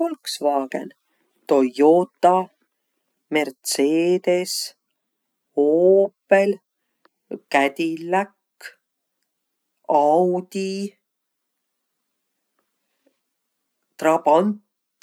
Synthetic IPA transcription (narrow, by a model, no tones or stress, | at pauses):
olksvɑːɡ̥ḛn | t̪o̞joːt̪ːɑ | mert̪seːd̪̥es | hoːpːe̞l | kæt̪ilːækː | ɑwd̪̥i | t̪rɑbɑnt̪